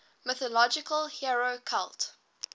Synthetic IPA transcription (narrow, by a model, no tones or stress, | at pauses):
mɪθɔlɔd͡ʒɪkəlˠhiɹokʰalˠt